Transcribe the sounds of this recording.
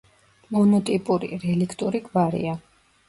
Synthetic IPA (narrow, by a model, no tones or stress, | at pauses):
mɔnɔt̪ʼipʼuɾḭɾɛlikʰt̪ʼuɾiɡvaɾḭa